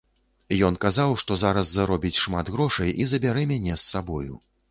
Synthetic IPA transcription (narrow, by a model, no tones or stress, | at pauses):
jɔnkazawʂt̪ɔzaɾɐsːaɾɔbʲit͡sʲʂmad̪ɣɾɔʂɐjizɐbʲaɾɛmʲanʲɛsːabɔjṵ